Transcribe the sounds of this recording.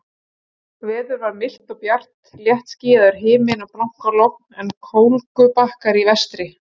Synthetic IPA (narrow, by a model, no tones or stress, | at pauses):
vɛːðʏɾvaɾmɪl̥t̪ɔɣpjar̥t̪ljɛht̪sciːðaʏɾ̥ɦɪːmɪnaplawŋ̥kalowk̚nɛnkʰoːwlkʏpahkaɾivɛst̪ɾɪ